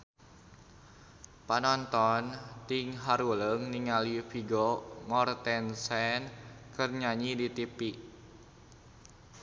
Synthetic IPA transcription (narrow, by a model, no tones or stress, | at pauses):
panɔnt̪ɔnt̪ɪŋɦaɾuləŋniŋalifiɡomɔrt̪ɛnsɛnkərɲaɲidit̪ipiʔ